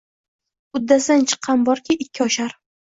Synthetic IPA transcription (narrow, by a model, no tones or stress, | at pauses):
ʊd̪ːasant͡ʃʰɨ̥qʰːɑnbɒɾkʲʰɪɪkʲʰːɪɒʃaɾ